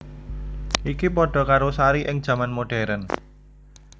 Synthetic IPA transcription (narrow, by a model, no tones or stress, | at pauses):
ʔikipɔɖ̥ɔ̤kaɾosaɾiʔɪŋd̥ʒ̥ä̤manmoɖ̥ɛ̤ɾən